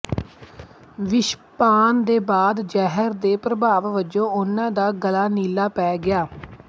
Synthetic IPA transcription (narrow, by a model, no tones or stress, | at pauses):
ʋɪʃpaːnd̪eːbaːd̪d͡ʒɛːɦəɾd̪eːpɾəbaːʋʋəd͡ʒõːʊnãːd̪aːɡəlaːniːlaːpɛːɡɪjaː